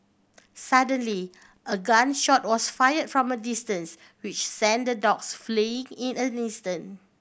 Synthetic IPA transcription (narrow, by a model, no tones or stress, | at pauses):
sadə̃nli | ʔəɡãnʃɔt̚wɔsfajədfɹɔ̃mədistə̃ns | wit͡ʃsɛ̃ndədɔksfleɪ̃ŋĩnə̃nĩstə̃n